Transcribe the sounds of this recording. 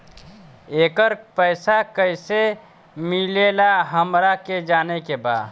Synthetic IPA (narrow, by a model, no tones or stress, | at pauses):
eːkəɾpɛːsakəise | mileːlaɦəmɾaked͡ʒaːnekebaːd̪